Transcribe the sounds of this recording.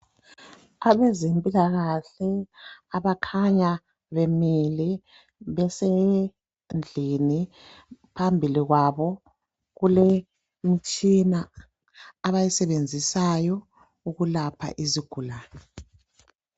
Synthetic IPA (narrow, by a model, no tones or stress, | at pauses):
aβɛzempʼilaɣaɬɛaβakʰaɲa | βemili | βɛse | nd͡ɮʱini | pʰambʱiliɣwaβɔ | ɣule | mit͡ʃʼinaː | βajisɛβend͡zʱisajɔ | uɣulapʰa̰ʔiziɡ̥ʱulaːnɔ